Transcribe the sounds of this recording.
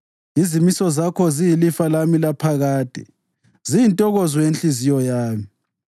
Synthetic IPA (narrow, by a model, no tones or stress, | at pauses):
izimisɔzakʰɔzijilifalamilapʰaɣaːd̥ʼʱɛ̰ | zijintʼɔɣɔzwɔjent͡ɬizijɔjaːmi